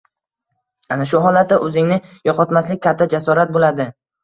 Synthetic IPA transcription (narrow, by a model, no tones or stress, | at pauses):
anaʃʊɦɒlat̪̚ːaʔɵzɪŋnɪjɒqʰɒt̪maslɪkʲkʰʲːat̪ʰːad͡ʒasɒɾat̪̚bolad̪ɪ